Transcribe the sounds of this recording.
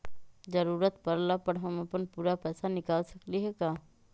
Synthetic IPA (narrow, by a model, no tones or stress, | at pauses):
d͡ʒəɾuːɾət̪pəɾlapəɽɦɐməpənpuːɾapɛːsanɪkaːlsɐkliɦɛkaː